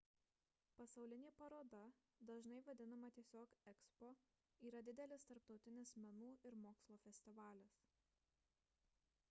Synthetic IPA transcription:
pɐsɐʊlʲɪnʲeːpɐɾoːd̪ɐ | d̪ɐʒnɐɪʋɐd̪ʲɪnɐmɐt̪ʲiɛsʲoːkɛkspo | iːɾɐd̪ʲɪd̪ʲɛlʲɪst̪ɐɾp̚t̪ɒʊt̪ʲɪnʲɪsmʲɛnuːʔɪɾmoːkslˠoːfʲɛsʲt̪ʲɪʋɑːlʲɪs

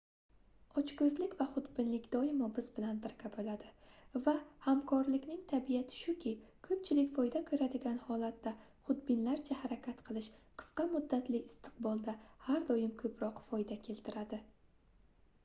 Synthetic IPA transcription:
ɒt͡ʃkɵzlɪkʲvaχʊd̪bɪnlɪkʲd̪ɒɪmɒbɪzbɪlanbɪɾkʲʰabolad̪ɪvahamkʰɒɾlɪkʲnɪŋt̪ʰabijat̪ʰɪ̥ʃʊkʲʰɪkʰɵp̚t͡ʃʰɪlɪkʲfɒjd̪akʲʰɵɾad̪ɪɡʲanhɒlˠat̪ːa | χʊd̪bɪnlaɾt͡ʃʰahaɾakʲʰat̪qʰɨlˠɪʃqʰɨ̥sqɑmʊd̪ːat̪lɪːst̪ʰɨ̥q̚bɒlˠd̪ahaɾd̪ɒjɪmkʰɵpʰɾɒqfɒjd̪akʲʰe̞lt̪ʰɪɾad̪ɪ

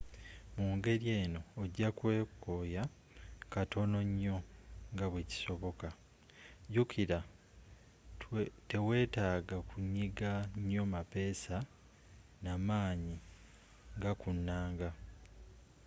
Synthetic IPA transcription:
muːŋɡe̞ɾje̞ːno̞ːɟːakwe̞ːkoːja | katʰo̞noɲːo̞ŋɡaβweci̥so̞βo̞ka | ɟukʰiɾa | te̞we̞ːtaːɡakuɲːiɡaɲːo̞mape̞ːsa | namaːɲi | ŋɡakunːaːŋɡa

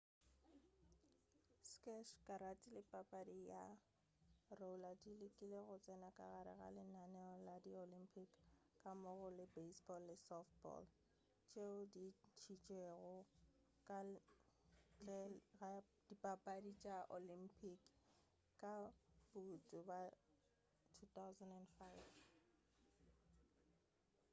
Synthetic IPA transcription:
skʼɛʃkʼaɾatʼilɪpʼapʼadija | rouladilɪkʼileɣʊt͡sʼɛnakʼa̰ɣaɾɪ̰ɣa̰lɪnanɛɔladiolimpʰʼikːʼamʊɣʊlɪbesbɔlːɪsɔftbɔ̰l | t͡ʃʼeʊdit͡ʃʰit͡ʃʼeɣʊ | kʼa | t͡ɬʼɛɣa | d̥ipʼapʼadit͡ʃʼaʔolimpʰʼikːʼ | ab̥utʼʊba | tʰut̪awzɛndɛnfajv

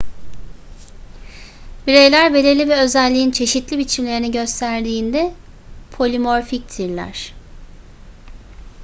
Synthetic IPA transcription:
biɾe̞jlʲæɾbe̞lʲiɾlʲivɛø̞zælʲːiint͡ʃʰe̞ʃit̪lʲibit͡ʃʰimlʲe̞ɾiniɟø̞st̪ʰæɾd̪iːnd̪ɛ | pʰo̞lʲimo̞ɾfic̚t̪ʰiɾlʲæ̰ɾ̥

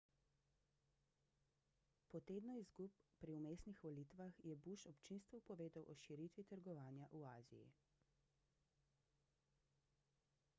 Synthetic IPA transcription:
pɔt̪eːd̪nɔizɡupːɾiumeːsnixʋɔlit̪ʋaxjɛbuʃɔpt͡ʃinst̪ʋupɔʋeːd̪awʔɔʃiɾit̪ʋit̪əɾɡɔʋaːnjaʔuaːzḭjḭ

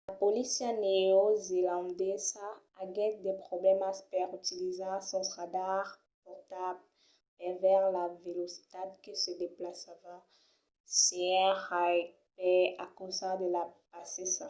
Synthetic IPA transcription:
lapolisjianeozelɑ̃nd̪ɛzaː | ɡɛt̚d̪epχɔblɛmaspɛʁyt̪ilizasɔ̃st̪χad̪aʁ | pɔʁt̪ab | ɛvɛʁlavelosi̥t̪ad̪kəsəd̪eplasavã | seɛ̃ʁa | pɛakosad̪əlapasesa

